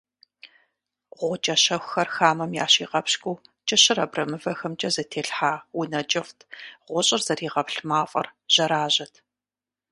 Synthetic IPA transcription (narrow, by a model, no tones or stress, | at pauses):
ʁʷɔt͡ʃʼɐʃɐxʷxɐrxaːmɐmja̰ːɕiːʁɐpɕkʷʼuːt͡ʃʼɐɕɨrɐbrɐmɨvɐxɐmt͡ʃʼɐzɐtʰeːɬħaːwʊnɐt͡ʃʼɐftʰʁʷɔɕʼɪrzɐriːʁɐpɬmaːfʼɐ̰rʒ̥ɐɾaːʑɐtʰ